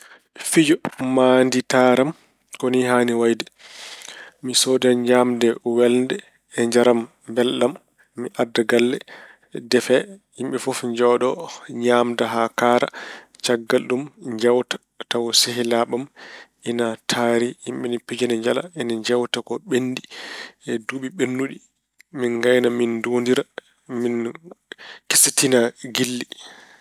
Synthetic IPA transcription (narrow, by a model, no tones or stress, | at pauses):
fid͡ʒɔmanditaɾam | kɔniɦaniwajdɛ | misodaɲd͡ʒamdɛwɛlndɛː | ɲd͡ʒaɾam | bɛlɗamː | iʔadaɡalːɛ | dɛfɛhimɓɛfufɲd͡ʒɔɗɔɲamdaɦakaɾat͡ʃaɡːalɗumɲd͡ʒawtḁ | tawɔseɦilaɓam | inatʰaɾihimɓɛnipid͡ʒanɛɲd͡ʒala̰inaɲd͡ʒawtakɔɓenːdiɛduɓiɓenːuɗi | minɡajnamindondiɾa | min | ki̥sitinaɡilːi